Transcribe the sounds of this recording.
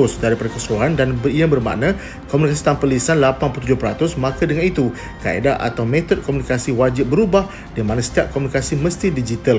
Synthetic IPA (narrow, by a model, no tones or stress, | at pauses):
ʊsdaɾipadakəsɾoɦandanbəiabərma̰ʔnã | komunikasi̥t̪ampəlisanlapanplut̪ud͡ʒʊhpɾat̪ʊsmãkadəŋanit̪u | ka̰ḛdaʔa̰t̪awmẽt̪ɔd̚komunikasiwad͡ʒɪp̚bəɾubah | diamãnãsə̥t̪iaʔ̚komunikasimə̃st̪idid͡ʒit̪əl